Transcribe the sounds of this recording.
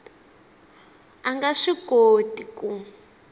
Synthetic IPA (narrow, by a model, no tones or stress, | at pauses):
aŋɡaʂiɡodiku